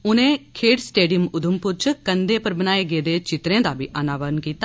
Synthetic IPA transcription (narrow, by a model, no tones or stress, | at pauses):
ʊnẽːkʰeːɖsʈeːɖijəmʊd̪əmpʊɾt͡ʃkənd̪eːpəɾbənaːeːɡeːd̪eːt͡ʃɪt̪ɾẽːd̪aːbʱḭːʔənaːʋəɾənkiːt̪a